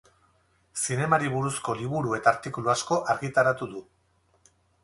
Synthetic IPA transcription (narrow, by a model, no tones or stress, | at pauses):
sine̞maɾiβuɾusko̞liβuɾue̞t̪aːɾt̪ikuluasko̞ʔaɾɣit̪aɾat̪uðu